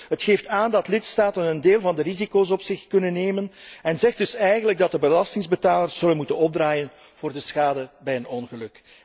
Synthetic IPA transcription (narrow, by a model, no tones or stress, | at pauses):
ɦətxeːftaːndɑtlɪtstaːtənəndeːlˠvɑndərizikoːs̬ɔpsɪxkɵnənːeːmənɛnzɛxdɵsɛjɣənləɡ̚dɑt̚dəbəlɑstɪŋzbətaːlərsz̥ɵlənmutənɔb̚draːjən | v̥oːrdəsxaːdəbɛjənɔnɣəlɵk